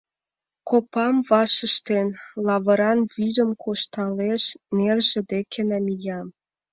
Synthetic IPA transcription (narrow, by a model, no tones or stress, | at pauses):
kopɑmβɑʃə̆ʃt̪enlɑβə̆ɾɑnβyd̪ə̆mkʰoʃt̪ɑleʃnerʒĕd̪ekʰenɑmijɑm